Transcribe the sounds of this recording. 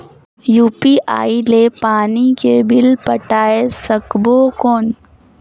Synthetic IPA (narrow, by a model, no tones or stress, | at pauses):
juːpiʔa̰ːilepaːnikebɪlpɐʈaːesɐkbokɔːn